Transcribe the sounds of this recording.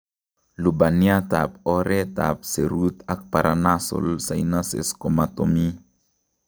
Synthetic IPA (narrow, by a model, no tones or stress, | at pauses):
lubaniatapɔɾɛta̰p̚seɾut̪ak̚paɾanaso̰lsainasḛskomatomi